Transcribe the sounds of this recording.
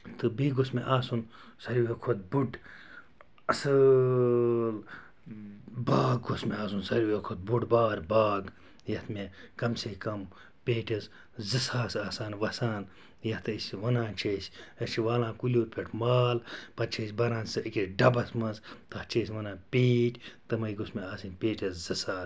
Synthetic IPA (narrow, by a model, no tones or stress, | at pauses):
t̪ɨbiːɡosmeʔaːsun | sɐɾʲjujekʰot̪̚buɖ | ɐsɨ | l | baːɡɡosmeaːsunsɐɾʲjuekʰot̪̚buɖbaːɾbaːɡ | jɐht̪mẽkɐmsekɐm | pʲeːʈɐz | zɨsaːsaːsaːnʋɐsaːn | jɐht̪ʰɨisʋɐnãːnt͡ʃʰeːsɐʃiʋaːlãːkulʲoːɾpʲeʈʰmaːlpɐt͡ʃʰesʲbɐɾãːnsɨikʲɾeɖɐbɐsmɐnzt̪ɐht͡ʃʰeːsʲʋɐnãːpʲeːʈʲt̪ɨmɐjɡosmeaːsinʲpʲeːʈɐszɨsaːs